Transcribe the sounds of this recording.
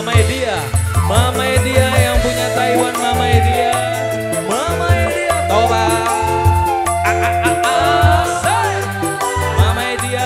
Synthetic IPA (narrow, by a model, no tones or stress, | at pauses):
maidia | mamaidiajaŋpuɲat̪aiwanmamaidia | mamaidiat̪oba | mamaidia